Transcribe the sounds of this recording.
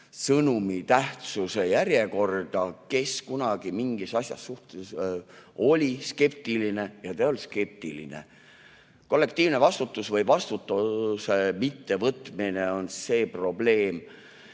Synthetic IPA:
sɤnumit̪æht̪suse̞jæɾje̞ko̞rd̪̥ɑke̞skunɑɡ̥imiŋɡ̥isɑsʲjɑ̰sːuht̪es | o̞lʲiske̞pt̪iline̞jɑt̪eolske̞p̚t̪ilḭnḛ | ko̞lːe̞kt̪iːvne̞vɑst̪ut̪ːˑusvɤjvɑst̪ut̪ːusemit̪ːe̞vɤt̪mineo̞nse̞ːpro̞ble̞ːm

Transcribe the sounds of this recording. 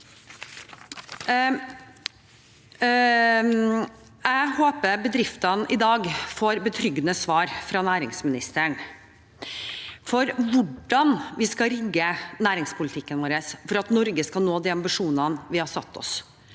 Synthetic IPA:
æɪhoːpəɾbəd̪ɾɪft̪ɑnʔɪd̪ɑːɡfoːɾbət̪ʰɾʏɡnəsʋɑːɾfɾɑnæːɾɪŋsmɪnɪst̪əɳ | fɔɾʋʊɖɑnʋɪskɑɾɪɡːənæːɾɪŋspʰʊlɪt̪ʰɪkːənʋoːɾəsfɔɾɑt̪nɔɾɡəskɑlnoːd̪ɛːɑmbɪʂuːnɑnʋɪhɑɾsɑ̰t̪ʰːɔ̰s

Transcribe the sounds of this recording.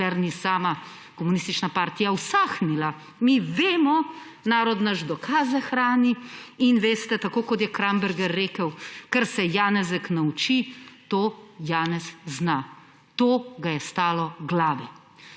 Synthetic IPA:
ɛɾnisaːma | kɔmunist̪it͡ʃnapaːɾt̪ijawsaxnila | miʋeːmɔ | naːɾɔd̪naʒd̪ɔkʰaːzɛxɾaːniinʋeːst̪ɛt̪akoːkɔt̪jɛkɾambɛɾɡɛɾːeːkəwkɛɾsɛjaːnɛzəknaut͡ʃit̪oːjaːnɛzzna | t̪oːɡajɛst̪aːlɔɡlaːʋɛ

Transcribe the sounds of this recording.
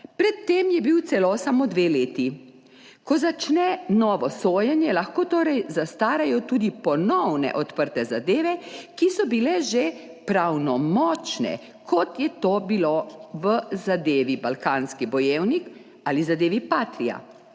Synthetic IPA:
pɾɛt̪ːeːmjɛbiwt̪sɛlosamod̪ʋeːleːt̪i | kɔzat͡ʃnɛnɔːʋɔsoːjɛnjɛlaxkoːt̪oːɾɛjzast̪aːɾajɔt̪uːd̪ipɔnɔwnɛ̰ʔɔt̪pəɾt̪ɛzad̪eːʋɛkisɔbilɛʒe | pɾawnɔmɔt͡ʃnɛ̰ | kʰɔt̪jɛt̪obiloʋəzad̪eːʋibalkaːnskibɔjeːwnik | aːlizad̪eːʋipaːt̪ɾija̰

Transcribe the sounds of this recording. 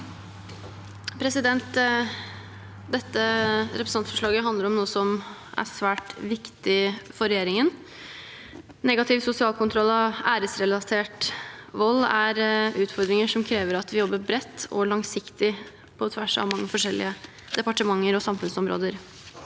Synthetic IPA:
pʰɾɛsɪd̪ɛnt̪ | d̪ɛt̪ːəɾɛpɾəsɑnfɔʂɭɑːɡəɦɑnd̪əɾɔmnuːəsɔm | ʔæ̰sʋæːʈʋɪkt̪ɪfɔɾɛjeːɾɪŋən | nɛɡɑt̪ʰɪʋsʊsɪɑːlkʰʊnt̪ʰɾɔlːɑʋæːɾəsɾɛlɑt̪ʰeːʈʋɔlːæɾʉːt̪fɔɾd̪ɾɪŋəʂɔmkʰɾeːʋəɾɑt̪ʋɪjɔbːəbɾɛt̪ːɔ̰ɭɑŋsɪkt̪ɪ | pʰɔt̪ʰʋæʂɑ̰ʋmɑŋːəfɔʂɛlːɪ̰ə | d̪̥ɛpɑʈəmɑŋːəɾɔsɑmfʉnsɔmɾo̰ːd̪əɾ

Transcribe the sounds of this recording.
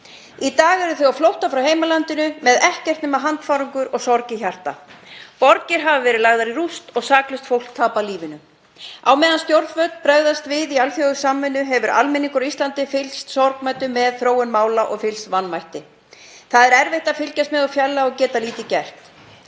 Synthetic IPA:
it̪aːɣɛɾðʏθœwɣaflowht̪afɾawheːjmalant̪ɪnʏmɛðɛhcɛr̥t̪nɛmaɦant̪faːɾuŋkʏɾɔɣsɔɾcɪçar̥t̪a̰pɔɾcɪɾ̥ɦavavɛːɾɪlaɣðaɾirust̪ɔɣsaːklʏst̪fowl̥kt̪ʰaːpaliːvɪnʏ | awmɛːðanst̪jowɾt̪vœt̪pɾɛɣðast̪vɪðialfjɔɣʏsaːmːʏnːʏɦɛvʏɾa̰lmɛniŋkʏɾist̪lant̪ɪfɪlst̪sɔɾknmɛt̪ʏmɛðθɾoːwʏnmaːwlaʔɔɣfɪlsvanːvajht̪ɪ | θaðɛɾɛɾvejht̪afɪlcast̪mɛðɔfjɛlːaɔɣcɛːt̪aliːt̪ɪcɛr̥t̪

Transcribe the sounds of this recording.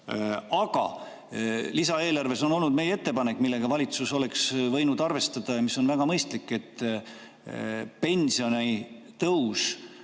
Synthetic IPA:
ɑɡ̥ɑ̰ | lisɑe̞ːlɑrve̞so̞no̞lnud̪̚me̞jee̞t̪ːe̞pɑne̞kːˑmilːe̞ɡ̥ɑvɑlʲit̪suso̞le̞ksvɤ̞jnud̪̥ɑrve̞st̪ɑd̪̥ɑjɑmiso̞nvæɡ̥ɑmɤjst̪likːˑe̞t̪ːˑ | pe̞nsio̞ni | t̪ɤws

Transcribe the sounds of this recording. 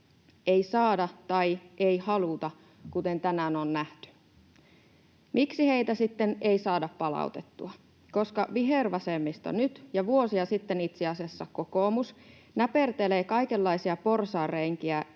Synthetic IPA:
ejsɑːdɑt̪ɑjʔejhɑlut̪ɑ | kut̪e̞nt̪ænænonːæht̪y̥ | miksihe̞it̪æsit̪ːeneisɑːdɑppɑlɑ̰ut̪e̞t̪ːuɑ | ko̞skɑʋiɦerʋɑsemːist̪ɑ̰nyt̪jɑʋuo̞siɑsit̪ːenit̪seɑsiɑsːɑko̞ko̞ːmus | næpert̪eleːkɑjkelːɑjsiɑpo̞rsɑːrːeŋk̟iæ

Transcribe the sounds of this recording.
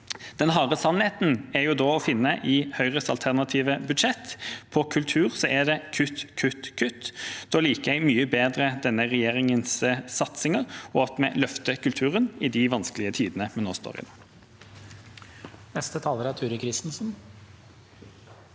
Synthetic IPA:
d̪̥ɛnɦɑːʁəsɑnheːt̪n̩æɾjuːd̪oːɔfɪnːəʔɪhœʏʁəsɑ̰lt̪ʰæʁnɑt̪ʰiːʋəbʉd̪ʃɛt̪pʰɔkʰʉlt̪ʰʉːʁsɔʔæd̪ɛkʰʉt̪kʰʉt̪kʰʉt̪ːd̪̥oːliːkəæɪmyːəbeːd̪ʁəd̪ɛnːəʁɛjeːʁɪŋənsəsɑt̪sɪŋəʁɔɑt̪mɛlœft̪əkʰʉlt̪ʰʉːʁənɪd̪ɪʋɑnskəlɪət̪ʰiːd̪ənəmɛnːoːst̪o̰ːʁɪ̰no̰ː | nɛst̪ət̪ʰɑːləɾæɾt̪ʰʉːɾəkʰɾɪst̪n̩sn

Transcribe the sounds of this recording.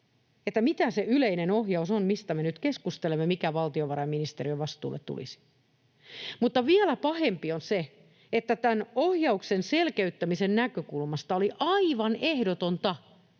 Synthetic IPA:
et̪ːæmit̪æseyleinenohjɑusonmist̪æmenyt̪keskust̪elemːemikæʋɑlt̪ioʋɑɾɑjminist̪eɾiøʋɑst̪ˑṵːlʔḛt̪tṵlḭsi̥ | mut̪ːɑʋiælæpɑhempionse | et̪ːæt̪ænohjɑuksenselkeyt̪ːæmisennækøkulmɑst̪ɑoliʔɑiʋɑnʔehdot̪ont̪ɑ

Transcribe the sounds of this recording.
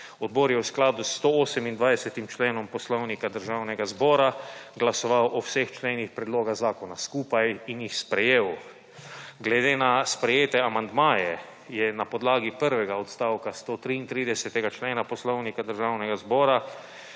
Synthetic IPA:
ɔd̪̚bɔːɾjɛwsklaːd̪ust̪ooːsɛmind̪ʋajd̪ɛsɛt̪imt͡ʃleːnɔmpɔslɔwnikad̪əɾʒawnɛɡazbɔːɾaɡlasɔʋawʔɔwsext͡ʃlenixpɾɛd̪loːɡaɣzaːkɔnaskuːpajinjixspɾɛjeːw | ɡlɛd̪eːnaspɾɛjeːt̪ɛamand̪maːjɛ | jɛnapɔd̪laːɡipəɾʋɛɡaɔt̪st̪aːwkast̪oːt̪ɾiːnt̪ɾiːd̪ɛsɛt̪ɛɡat͡ʃleːnapɔslɔwnikad̪əɾʒaːwnɛɡazbɔːɾa

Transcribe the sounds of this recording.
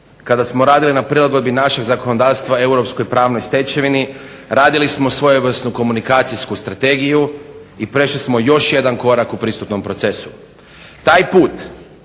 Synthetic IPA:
kad̪asmoɾaːd̪ilinapɾilˠaɡo̞d̪̚binaʃeɡzako̞nod̪aːʋst̪ʋae̞wɾo̞psko̞jpɾaːʋno̞jst̪e̞t͡ɕeʋini | ɾaːd̪ilismo̞sʋo̞joʋrsnuko̞munikaːt̪sijskust̪ɾat̪e̞ɡijuipɾe̞ʃlismo̞jo̞ʃje̞d̪anko̞ɾakupɾist̪ut̪no̞mpɾo̞t̪se̞su̥ | t̪aːjpuːt̪

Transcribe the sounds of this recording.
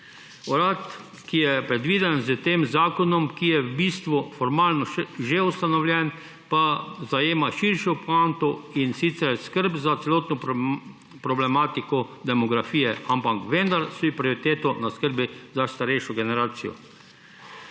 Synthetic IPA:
ɔɾat̪ | kijɛpɾɛd̪ʋiːd̪ɛnzət̪eːmzaːkɔnɔmkijɛbist̪ʋufɔɾmaːlnɔʒeust̪anɔwlʲjɛn | pazajeːmaʃiɾʃiɔpant̪ɔinsit̪sɛɾskəɾbzat̪sɛloːt̪nɔ | pɾɔblɛmaːt̪ikɔd̪ɛmɔɡɾafiːjɛampakʋend̪aɾsipɾioɾit̪eːt̪ɔnaskəɾbizast̪aɾɛjʃɔɡɛnɛɾaːt̪sijɔ̰

